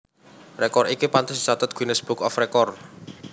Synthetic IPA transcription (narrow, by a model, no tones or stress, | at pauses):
rekɔrikipant̪ʊsd̪i̥t͡ʃat̪ʊt̪̚ɡ̥inəsb̥ukɔfrekɔr